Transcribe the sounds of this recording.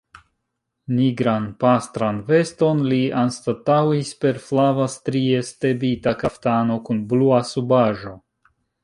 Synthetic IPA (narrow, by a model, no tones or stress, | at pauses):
niɡɾanpastɾanve̞sto̞nlianstatawispe̞ɾflavastɾie̞ste̞bitakaftano̞kunbluasubaʒo̞